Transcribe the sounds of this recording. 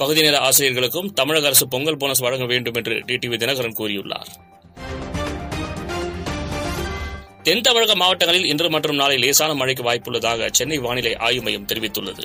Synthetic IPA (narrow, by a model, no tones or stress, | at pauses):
pɐɣɯðɪneːlɐaːsɪɾɪjɐɾɣɐɭɯkːɯmt̪ɐmɪɻɐɣɐɐɾɐsɯpɔŋɡɐɭboːnɐs̬ʋɐɻɐŋɡɐʋeːɳɖɯmɛndrɯ̰ɖiːʈiːʋid̪ɪnɐɣɐɾɐnkuːɾɪjɯɭːa̰ːɾ | t̪ɛnt̪ɐmɪɻɐɣɐmaːʋɐʈːɐŋɡɐɭɪlɪndrɯmɐʈrɯmnaːlɐɪleːsaːnɐmɐɻɪk̬ːɯʋaːjpːɯɭːɐðaːɣɐ̰t͡ʃɛnːɐɪʋaːnɪlɐɪʔa̰ːjɯmɐjɯmt̪ɛɾɪʋɪt̪ːɯɭːɐ̰ðɯ̰